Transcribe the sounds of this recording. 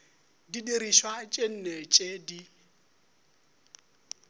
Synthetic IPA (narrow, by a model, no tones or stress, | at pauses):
didiɾiʃwat͡ʃʼen̩nɛt͡ʃʼedi